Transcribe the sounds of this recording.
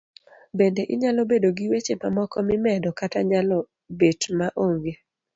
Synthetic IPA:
bendeʔɪɲalɔbedoɡiwet͡ʃemamɔkɔmɪmɛdɔkataɲalɔ | betmaʔoŋɡe

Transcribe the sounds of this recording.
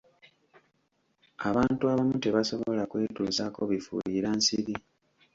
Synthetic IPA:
aβaːntuaβamute̞βaso̞βo̞lakwe̞ːtuːzako̞βifṵliɾansiβi

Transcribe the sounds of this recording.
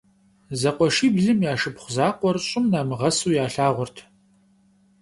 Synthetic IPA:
zɐqʷɔʂiːbɮɨmjaːʂɨpχʷʊzaːqʷɔrɕʼɪmnaːmɨʁɐsuːjaːɬaːʁʷʊrtʰ

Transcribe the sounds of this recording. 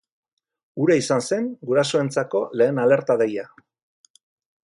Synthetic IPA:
uɾaisanse̞ŋɡuɾasoe̞nt͡sako̞le̞ːnale̞ɾt̪aðeja

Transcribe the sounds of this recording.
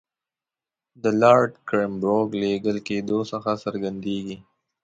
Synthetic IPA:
d̪əlɑɾɖkɾɪmbɾoɡleɡəlked̪osəxasəɾɡand̪eɡi

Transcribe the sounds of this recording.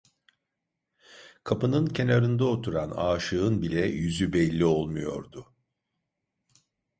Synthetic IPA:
kʰapɯnɯncʰe̞naɾɯnd̪aot̪ʰuɾanaːʃɯɯnbilʲɛjyzybɛlʲːio̞lˠmujo̞̰ɾd̪ʊ

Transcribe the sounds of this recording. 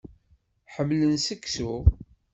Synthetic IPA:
ħəmːlənsəkːsu

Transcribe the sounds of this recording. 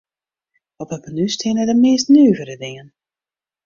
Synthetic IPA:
ɔpɛpənystʰɪnədəmeːstnyːvəɾədɪŋən

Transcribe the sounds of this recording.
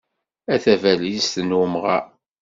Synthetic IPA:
æθævælist̪ənumʁɑ

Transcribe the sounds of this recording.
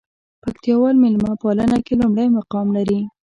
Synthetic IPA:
pakt̪jɑwɑlmɪlmɑpalənakelumɽajmaqɑmlaɾi

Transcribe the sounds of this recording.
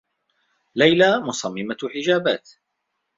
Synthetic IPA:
lajlamʊsˤɑmːɪmaħɪd͡ʒaːbaːt̪

